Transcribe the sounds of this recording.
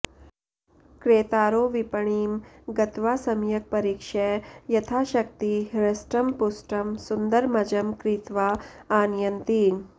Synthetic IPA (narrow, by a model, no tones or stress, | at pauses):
kɾeːt̪aːɾoːʋipɐɳiːmɡɐt̪ʋaːsɐmjɐk̚pɐɾiːkʂejɐt̪ʰaːʃɐk̚t̪iɾɐsʈɐmpusʈɐmsund̪ɐɾmɐd͡ʒɐmkɾit̪ʋaːaːnjɐnt̪i